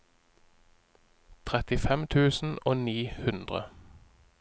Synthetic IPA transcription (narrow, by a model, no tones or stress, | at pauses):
t̪ʰʁɛt̪ɪfɛmt̪ʰʉːsn̩oːniːhʉnd̪ʁə̰